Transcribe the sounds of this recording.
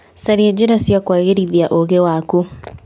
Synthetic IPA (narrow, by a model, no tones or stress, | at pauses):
saɾiɛd͡ʒeɾasjakwaɣeɾiðiaʔoɣewaku